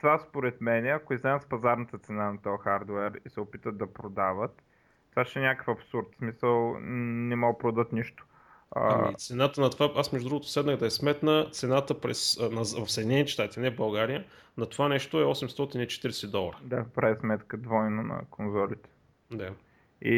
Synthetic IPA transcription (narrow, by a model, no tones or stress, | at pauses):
t̪ovaspoɾɛt̪mɛnɛɐkoiznɛnspɐzaɾnət̪ət̪sɛnanɐt̪ɔxaɾd̪oɛɾisɛopit̪ət̪̚d̪ɐpɾod̪avət̪ː | vaʃɛnʲakə̥fɐpsuɾt̪smisəlˠnɛmɔɡəpɾod̪ət̪niʃt̪o̥ | ə̰aḭt̪sɛnat̪ənɐt̪ovaasmɛʒud̪ɾuɡot̪o̥sɛd̪nəɣd̪ɐɛsmɛt̪nət̪sɛnat̪əpɾɛsnɐvɐfsəɛd̪inɛnit̪ɛst̪at̪inɛvbɐlˠɡaɾijə | nɐt̪ovanɛʃt̪oɛɔsɛmst̪ɔt̪init͡ʃɛ̥t̪iɾɛsɛd̪ɔlˠɾəd̪apɾɛismɛt̪kəd̪vɔjnonɐ̰konzɔlit̪ɛ̥ | d̪a | i